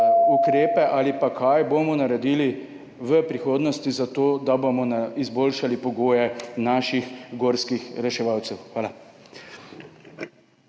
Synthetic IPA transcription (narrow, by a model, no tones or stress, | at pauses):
ukɾeːpɛʔalipakajbomɔnaɾɛd̪iːli | ʋəpɾixoːd̪nɔst̪izat̪oːd̪abomɔnaizboːlʃalipɔɡoːjɛnaːʃixɡoːɾskixɾɛʃɛʋawt̪sɛwxʋaːla